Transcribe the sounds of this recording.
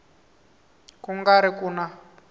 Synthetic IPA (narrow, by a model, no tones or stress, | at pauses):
kuŋɡaɾikuːna